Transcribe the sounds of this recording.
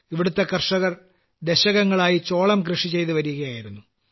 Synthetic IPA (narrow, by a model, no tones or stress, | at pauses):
iʋiɽut̪ːe̞kɐrʂɐɣɐr | d̪eɕɐɣɐŋːɐɭaːjit͡ɕo̞ːɭɐmkrɨʂit͡ɕe̞jt̪uʋɐɾijuɣɐjaːjiɾunːu